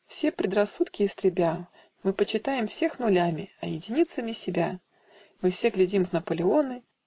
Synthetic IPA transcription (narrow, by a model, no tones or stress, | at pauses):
fsʲe̞pɾʲɪd̪rɐsːut̪kʲɪːst̪ɾʲɪbʲa | mɨpət͡ɕɪt̪ajɪmfsʲe̞xnʊlʲamʲɪɐ̰jɪdʲɪnʲit̪səmʲɪsʲɪbʲa | mɨfsʲe̞ɡlʲɪdʲimvnəpəlʲɪo̞nɨ